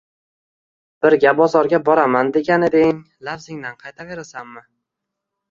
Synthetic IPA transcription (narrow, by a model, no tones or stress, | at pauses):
b̥ɪɾɡʲabɒzɒɾɡʲabɒɾamand̪e̞ɡʲanɪd̪ɪŋ | lafzɪŋd̪anqʰɑjt̪ʰave̞ɾasanmɪ